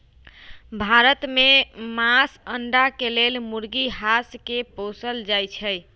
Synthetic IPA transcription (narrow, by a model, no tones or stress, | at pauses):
bʱaɾət̪memasəɳɖakelelmuɾɡiɦaskepõsəld͡ʒajt͡ʃʰəj